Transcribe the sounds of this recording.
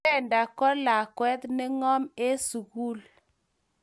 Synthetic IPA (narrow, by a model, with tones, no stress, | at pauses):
ɛ˦˨nda˨kɔ˦la˨kwɛ˦t̪ne˦ŋɔ˦me˦su˨ɣu˦l